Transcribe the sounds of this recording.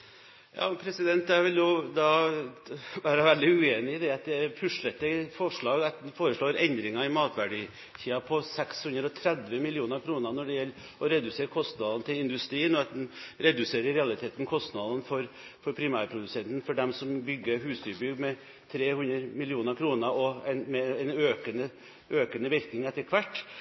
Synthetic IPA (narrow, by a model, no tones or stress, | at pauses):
jʔɑ̰ːpʰɾɛsɪd̪ɛnt̪ːæʋɪljʊd̪ɑː | ʋæːɾɑʋæld̪ɪʉeːnɪd̪ɛɑt̪̚d̪ɛpʰʉʂɭɛt̪ːəfɔʂɭɑːɡɑt̪foːɾəʂɭoːɾɛnd̪ɾɪŋɑɪmɑːt̪ʋæɖiː | t̪ʰiːɑpʰɔsɛkshʉnd̪ɾɔt̪ʰɾɛd̪ʋəmɪlɪuːnəɾkʰɾuːnənɔɖɛjɛlː | ɔɾɛd̪ʉseːɾkʰɔst̪nɑːd̪ɑnt̪ʰɪlɪnd̪ʉst̪ɾiːənɔɑt̪̚d̪ɛnɾɛd̪ʉseːɾəɾɛɑlɪt̪ʰeːt̪nkʰɔst̪nɑd̪ɑnfɔɾfɔɾpʰɾɪmæːɾpʰɾʊd̪ʉsɛnt̪n̩fɔɖɛmsɔmbʏɡːəɦʉːsd̪yːɾbʏɡːmɛ | t̪ʰɾeːhʉnd̪əɾmɪlɪuːnəɾkʰɾuːnəɔɛnmɛɛnøːkənə | ʔøːkənəʋɪɾknɪŋɛt̪ːəɾkʰʋæʈː